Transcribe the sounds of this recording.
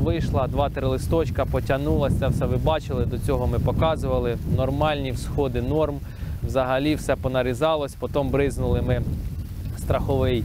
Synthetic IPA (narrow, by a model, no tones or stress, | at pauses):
ʋɪjʃlˠɐd̪ʋɑt̪ɾɪlˠɪst̪ɔt͡ʃkɐpɔtʲɐnulˠɐɛwsɐʋɪbɑt͡ʃɪlˠɪd̪ɔt͡sʲɔɦɔmɪpɔkɑzʊʋɐlˠɪnɔrmɑlʲnʲiwsxɔd̪ɪnɔrm | wzɐɦɐlʲiwsɛpɔnɐɾʲizɑlˠɔsʲpɔt̪ɔmbɾɪznʊlˠɪmɪ | st̪ɾɐxɔʋɪj